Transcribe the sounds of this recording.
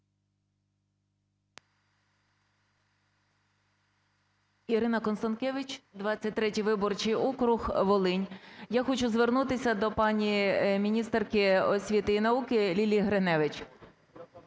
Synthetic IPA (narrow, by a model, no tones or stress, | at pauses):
iɾɪnɐkɔnst̪ɐnkɛʋʲɪt͡ʃʲd̪ʋɑt͡sʲːɐt̚ʲt̪ɾɛtʲijʋɪbɔrt͡ʃijɔkɾʊxʋɔlˠɪnʲjaxɔt͡ʃʊzʋernut̪ɪsʲɐd̪ɔpɑnʲimʲinʲist̪ɛrkɪɔsʲʋʲit̪ɪinɐukɪlʲilʲiɦɾenɛʋɪt͡ʃ